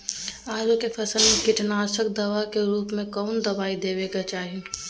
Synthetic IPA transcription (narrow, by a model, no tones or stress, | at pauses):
aːɾukefɐsəlmẽkɪʈnaːsək̚d̪ɐʋakeɾuːpmẽkɔːnd̪ɐbaːid̪eːʋeːɡat͡ʃaːɦii